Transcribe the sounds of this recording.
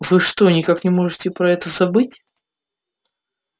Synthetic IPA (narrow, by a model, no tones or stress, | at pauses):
vɨʂt̪o̞nʲɪkaknʲɪmo̞ʐɨtʲɪpɾɐɛt̪əzɐbɨtʲ